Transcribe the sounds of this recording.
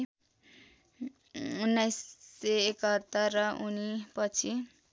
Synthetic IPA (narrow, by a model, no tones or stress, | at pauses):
unːajsːeekʌt̪ːʌrːʌʔunipʌt͡sʰi